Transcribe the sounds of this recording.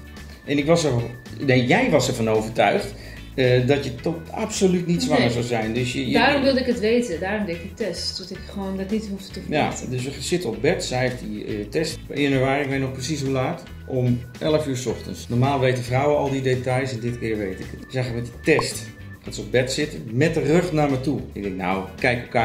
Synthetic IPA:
ʔɛnɪkʋɔsər | nejɛjʋɑsɛɹvɔnoːvəɹtœɥxt | ədɔtjətɔa̰psolytnitsʋɑŋəɹzawzɛjndøsjədaːromʋɪlˠdəɪkətʋeːtədaːrʊmdɪkɪk̚tɛstɔtɪkχəʋoːndɪtnitɦufttəjadøs̬ʋəsɪtəɔp̚bɛtsɛjtditɛstɪənəɹʋaːrɪkʋetnɔxprəsis̬ulaːt | ʔom | ʔɛləfyːɹsɔxtə̰nsnɔɹmaːlˠʋejtəfrawəɔlˠdidetajsɛndɪtkɪːɹʋejtɪkətsaxəmɛtitɛst | ansɔp̚bɛtsɪtəmɛt̚dərøxnaɹmɛjtuɪ̰ɡ̚dɛŋkna̰wkɛjkəka

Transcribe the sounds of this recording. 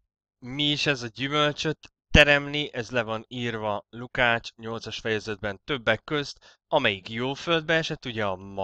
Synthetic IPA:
miiʃɛzɒɟymø̞lt͡ʃø̞t̪ːɛɾɛmniʔɛzlɛvɒniːrvɒlukaːt͡ʃɲo̞lt̪sɒʃfɛjɛzɛd̪̚bɛnt̪ø̞bːɛkːø̞zt̪ | ɒmɛjikjoːfø̞ld̪̚bɛɛʃɛt̪ːuɟɛɒmɒ

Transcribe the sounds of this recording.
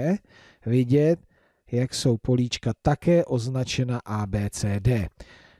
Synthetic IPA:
vɪɟɛt̪̚ | jakso̞wpo̞liːt͡ʃkat̪akɛːʔo̞znat͡ʃɛnaʔaːbɛːt͡sɛːdɛː

